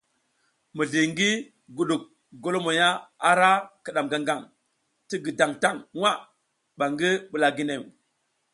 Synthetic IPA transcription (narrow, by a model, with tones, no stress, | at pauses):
mi˨ɮi˨ŋɡi˦ | ɡu˨ɗu˨k̚ | ɡo˦lo˦mo˨ja˦a˦ɾa˦ki˨ɗa˨mɡa˦˨ŋɡa˨ŋ | ti˦ɡi˨da˨ŋta˦˨ŋwa˦˨ | ɓa˨ŋɡi˦ɓu˨la˨ɡi˦ne˨m